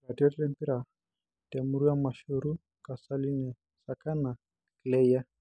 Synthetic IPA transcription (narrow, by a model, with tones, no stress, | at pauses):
ka˨tiɔ˦tɛlɛ˦mpi˦ɾa˨ | tɛ˨mu˦ɾu˦a˦ma˨ʃu˨ɾu˦ | ka˨sa˦li˦nɛ˨ | sa˨ka˦na˨ | klɛ˦ja˦